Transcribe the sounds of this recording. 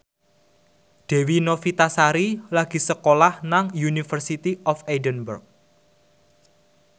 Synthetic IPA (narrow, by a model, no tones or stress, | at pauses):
d̪̥e̤winofit̪asaɾilaɡ̥i̤səkolahnaŋjunifərsit̪iʔɔfedənbərk̚